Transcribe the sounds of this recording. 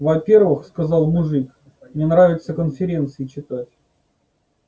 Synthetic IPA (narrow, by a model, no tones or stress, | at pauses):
vɐpʲe̞rvɨxskɐzɑlˠmʊʐɨk | nʲenɾavʲɪt̪səkənfʲɪɾʲe̞nt̪sɨɪt͡ɕɪt̪atʲ